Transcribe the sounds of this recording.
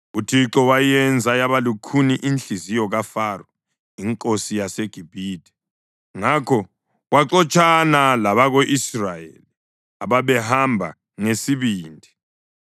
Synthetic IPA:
utʰiǁɔwajɛnd͡zʱajaβalukʰuniʔinɬizijɔɣafarɔ | iŋkʼosijaseɡ̥ʱibʱiːd̥ʱɛ̥ | ŋakʰɔ | ɣwaǀɔt͡ʃʼʰanalaβaɣoʔisrajḛːli | aβaβɛɦambʱa̰ | ŋesiβiːndʱi

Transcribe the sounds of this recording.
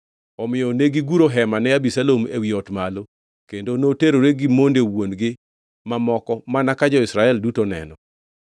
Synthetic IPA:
ɔmɪjɔneɡɪɡuɾoɦɛmanɛabisalomḛwiɔtmalo | kendonoteɾoɾeɡɪmondewonɡɪ | mamɔkɔmanakad͡ʒɔɪsɾaɛldutonɛ̰nɔ

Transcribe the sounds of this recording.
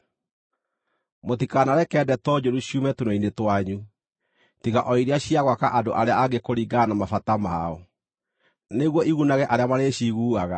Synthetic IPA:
motikanaɾɛkɛdɛtɔd͡ʒoɾuɕiumɛtunoinetwaɲu | tiɣaʔɔiɾeaɕiaɣwakaʔadoʔaɾeaaɡekoɾiɡanamafatamaɔ | neɣwɔʔiɣunaɣɛʔaɾeamaɾeɕiɣuːaɣa

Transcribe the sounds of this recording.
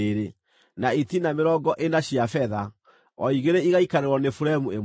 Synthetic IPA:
ɾe | naitinameɾɔɡɔʔenaɕiafɛða | ɔiɣeɾeiɣaikaɾeɾwɔnefuɾaemue

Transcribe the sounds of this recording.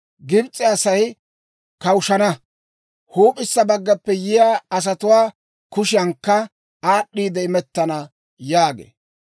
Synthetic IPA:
ɡɪbt͡sʼːɪɐsɐj | kɐwʊʃɐnɐ | huːpʼɪsːɐbɐɡːɐpːɛjɪjaːɐs̬ɐt̪ʊwaː | kʊʃɪjɐŋkːɐ | aːɗːiːd̪ɛɪmɛt̪ːɐnɐ | jaːɡḛː

